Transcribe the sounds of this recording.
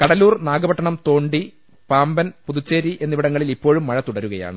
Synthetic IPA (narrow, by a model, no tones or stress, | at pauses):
kɐɽɐluːrnaːɡɐbɐʈːɐɳɐmt̪o̞ːɳɖi | paːmbɐnpuðut͡ɕːeːɾiʔe̞nːiʋiɽɐŋːɐɭilipːo̞ːɻumːɐɻɐt̪uɽɐɾuɣɐja̰ːɳɨ